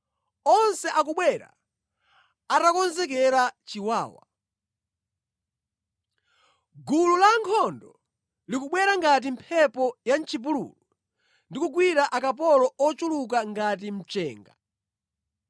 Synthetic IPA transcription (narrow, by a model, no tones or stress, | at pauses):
ɔnsɛʔak̬uɓwɛɾa̰ | atakɔnzɛk̬ɛɾat͡ʃiwaːwa̰ | ɡululaŋkʰɔndɔ | likuɓwɛɾaŋɡat̬impʰɛpɔjant͡ʃʰip̬ulṵlɔ | ndikuɡwiɾaʔakap̬ɔlɔɔt͡ʃuluk̬aŋɡat̬im̩t͡ʃɛːŋɡa